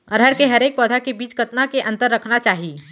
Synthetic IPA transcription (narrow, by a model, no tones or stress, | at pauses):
ɔɾɦəɽkeɦɐɾeːk̚pɔːd̪ʱakebiːt͡ʃkɐt̪nakeʔɐ̃nt̪əɾːɐkʰnat͡ʃaːɦiː